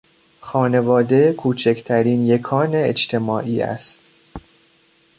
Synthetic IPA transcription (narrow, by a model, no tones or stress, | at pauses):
xɒːne̞vɒːd̪ekʰuːt͡ʃʰecʰt̪ʰæɾiːnjekʰɒːneet͡ʃt̪ʰe̞mɒːʔiːæ̰st̪